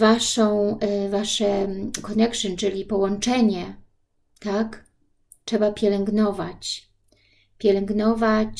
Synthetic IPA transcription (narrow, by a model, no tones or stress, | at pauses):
vaʂɔ̃w̃vaʂɛkɔnɛkʂɨnt͡ʂɘlʲipɔwɔnt͡ʂɛɲɛ | t̪ak | t͡ʂʂɛbapʲjɛlɛŋɡnɔvat͡ɕ | pʲjɛlɛŋɡnɔvat͡ɕ